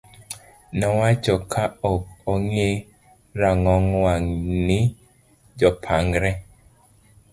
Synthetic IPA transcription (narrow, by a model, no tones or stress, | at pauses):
nɔwat͡ʃɔkʰaɔkɔŋe | ɾaŋɔŋwaŋni | d͡ʒɔpʰaŋɡɾɛ